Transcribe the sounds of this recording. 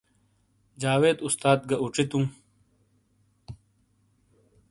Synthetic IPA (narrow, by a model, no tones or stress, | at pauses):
d͡ʑaːweːd̪ust̪aːd̪̚ɡɐʔuʈ͡ʂit̪ũː